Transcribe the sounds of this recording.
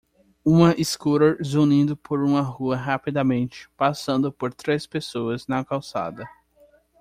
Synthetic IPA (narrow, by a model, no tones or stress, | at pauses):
ũmɐʔiskuɾoɾzunĩd̪ʊpʰoɾũmɐɦuɐɦapid̪ɐmẽnt͡ʃɪ̥pasɐ̃nd̪ʊpoɾt̪ɾespesoɐznɐkawsa̰d̪ɐ